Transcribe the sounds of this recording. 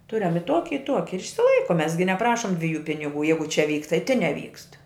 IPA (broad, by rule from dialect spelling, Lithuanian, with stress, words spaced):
ˈtʊrʲɛm ɪ ˈtuɔkʲɪ ɪ ˈtuɔkʲɪ ɪr ɪʃʲsʲɪˈlˠɐɪkʊm ˈmʲɛs ɡʲɪ nʲɛˈprɑːʃʊm dʲʋʲɪˈjuː pʲɪnʲɪˈɡuː ˈjɛɪɡʊ ˈt͡ʃʲɛ ˈʋʲiːk tɐɪ tʲɪn nʲɛˈʋʲiːkst